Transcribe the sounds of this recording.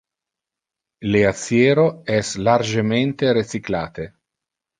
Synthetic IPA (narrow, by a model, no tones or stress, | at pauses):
leat̪sːjeːɾoɛslard͡ʒement̪eɾet͡ʃikla̰ːt̪e